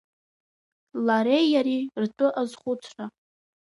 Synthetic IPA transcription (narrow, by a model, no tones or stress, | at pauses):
laɾejaɾirtʼɨʔazχʷʊt͡sʷʰra